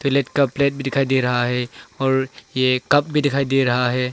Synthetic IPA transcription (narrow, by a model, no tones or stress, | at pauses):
t̪ɪleʈkapleːʈ̚bʱid̪ɪkʰaːid̪eɾɐɦaɦɛɔːɾjekɐp̚bʱid̪ɪkʰaːid̪eɾɐɦaɦɛː